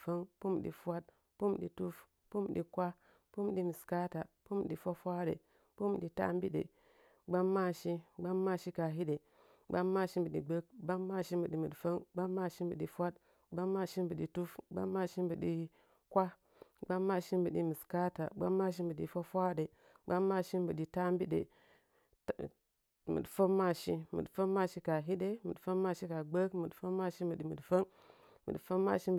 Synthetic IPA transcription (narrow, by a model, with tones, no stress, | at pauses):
fə˦ŋpu˦mɗḭ˨fwa˦t̚ | pu˦mɗḭ˨tu˦f | pu˦m˨ɗi˨kʷa˦ | pu˦mɗi˦mi˨ska˦ta˨pu˦m˨ɗi˨fʷa˦fʷa˦ɗḛ˨ | pu˦m˨ɗi˨ta̰˦m˦bi˦ɗḛ˨ | ɡ͡ba˦mːa˦ʃi˦ɡ͡ba˦mːa˦ʃi˦ka˨ɦi˦de˨ | ɡ͡ba˦mːa˦ʃi˦m˦bə˨ɗi˨ɡ͡bə˦k̚ɡ͡ba˦mːa˦ʃi˦mbə˨ɗi˨mi˨dfə˦ŋɡ͡ba˦mːa˦ʃi˦mbə˨ɗi˨fʷa˦t̚ | ɡ͡ba˦mːa˦ʃi˦mbə˨ɗi˨tu˦fɡ͡ba̰˦mːa˦ʃi˦mbɨ˨ɗi˦ | kʷa˦ | ɡ͡ba˦mːa˦ʃi˦mbɨ˨ɗi˦mi˨ska˦ta̰˨ɡ͡ba̰˦mːa˦ʃ̬i˦mbɨ˨ɗḭ˨fa˦fʷa˦ɗe˨ | ɡ͡ba˦mːa˦˨ʃi˦mbɨ˨ɗi˨ta˦mbi˦ɗḛ˨ | mɨ̰˨dfə˦mːa˦˨ʃi˦mɨ̰˨dfə˦mːa˦ʃi˦ka˨ɦi˦ɗe˦mɨ̰˨dfə˦mːa˦ʃi˦ka˨ɡ͡bə˦kmɨ˨dfə˦mːa˦ʃi˦mɨ˨ɗi˨mɨ˨fə˦n | mɨ̰˨dfə˦mːa̰˦ʃi˦